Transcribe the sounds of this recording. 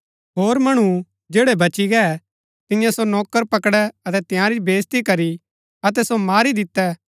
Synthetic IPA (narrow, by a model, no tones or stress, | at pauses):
ɦoːɾmɐɽ̃u | d͡ʒeːɽɛbɐt͡ʃiɡɛ | t̪ɪjãsonɔːkːəɾpɐkɽɛɐt̪ɛt̪jãːɾibeːst̪ikɐɾi | ɐt̪̬ɛsomaːɾid̪ɪt̪ːɛ